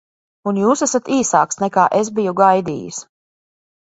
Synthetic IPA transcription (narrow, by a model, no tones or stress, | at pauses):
unjuːsæsat̪iːsaːksnɛkaːʔezbijuɡajd̪ḭːjḭs